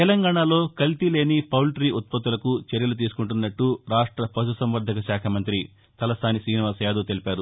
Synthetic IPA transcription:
t̪ɛlɐŋɡaːɳaːlo̞ːkɐlt̪ile̞ːnipɐwlʈɾiːʔut̪̚pɐt̪ːulɐkut͡ʃeɾjɐlut̪̬iːsu̥kuɳʈunːɐʈːuɾaːʂʈɾɐpɐsusɐmʋɐɾd̪ʱɐkɐʃaːkʰɐmɐnt̪ɾi | t̪ɐlɐsaːnisiːniʋaːsjaːd̪oːt̪e̞lipaːɾu

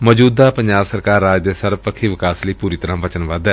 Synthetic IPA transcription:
mɔd͡ʒuːd̪aːpəɲd͡ʒaːbsəɾkaːɾːaːd͡ʒd̪eːsəɾpəkʰiːʋɪkaːsləiːpuːɾiːt̪əɾãːʋət͡ʃənʋəd̪ɛː

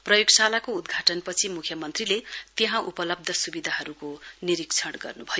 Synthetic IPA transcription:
prʌjoɡsalakoud̪ɡʱaʈʌnpʌt͡sʰimukʰjʌmʌnt̪rilet̪eɦãʔupʌlʌb̚d̪ʱʌsubid̪ʱaɦʌɾukoniɾikt͡sʰʌɽɡʌ̰rnubʱʌjo

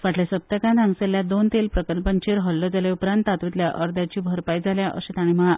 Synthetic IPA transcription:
ʋaʈʰljasəp̚t̪əkãnaŋɡseljad̪ont̪elpɾəkəlpəɲt͡ɕeɾɦɔlːɔd͡zaleupɾãnt̪at̪ʋit̪ljaʔəɾd̪jat͡ɕiːbʱəɾpajd͡zaljaʔə̰ɕet̪aɽ̃iməa

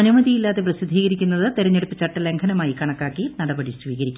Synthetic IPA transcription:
ɐnumɐðijilːaːðeprɐsid̪ʱːiːɣɐɾikʲːunːɐðɨt̪eɾɐɲːeɽupːɨt͡ɕɐʈːɐle̞ŋkʰɐnɐmaːjikɐɳɐkːaːkːinɐɽɐbɐɽisʋiːɣɐɾikʲːum

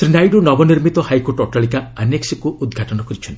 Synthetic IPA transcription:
sɾinajɖunɔbɔniɾmit̪ɔhajkoɾʈɔʈaɭikaaneksikuʔud̪ɡʱaʈɔnɔkɔɾit͡ʃʰɔnt̪

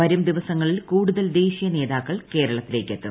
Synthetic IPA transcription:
ʋɐɾumd̪iʋɐsɐŋːɐɭilkuːɽuðɐld̪e̞ːɕijɐne̞ːðaːkːɐɭke̞ːɾɐɭɐt̪ːile̞ːkːet̪ːṵ

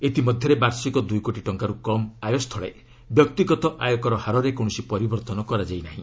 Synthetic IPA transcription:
et̪imɔd̪ʱjɔɾebaɾsikɔd̪ujkoʈiʈɔŋkaɾukɔmajɔst̪ʰɔɭḛ | bjɔk̚t̪iɡɔt̪ɔʔajɔkɔɾɔhaɾɔɾekoɳ̃ɔsipɔɾibɔɾt̪ɔnɔkɔɾad͡ʒajnaɦḭ̃

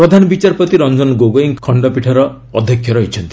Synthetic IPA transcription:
pɾɔd̪ʱanɔbit͡ʃaɾpɔt̪iɾɔnd͡ʒɔnɡoɡoiŋkʰɔɳɖɔpiʈʰaɾɔː | d̪ʱjɔkʰjɔɾɔɦit͡ʃʰɔnt̪i

